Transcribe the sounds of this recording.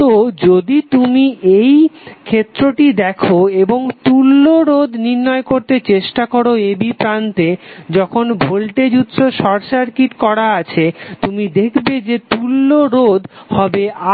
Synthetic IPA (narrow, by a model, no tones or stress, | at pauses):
od͡ʑod̪it̪umiejkʰet̪ːɾoʈid̪ɛkʰoeboŋt̪ulːoɾod̪ʱniɾnɔekoɾt̪et͡ɕeʃʈakoɾoebipɾant̪ed͡ʑɔkʰonbʱolʈed͡ʑut̪ːoʃɔɾʃaɾkiʈkɔɾaat͡ɕʰet̪umid̪ekʰbed͡ʑet̪ulːoɾod̪hɔbea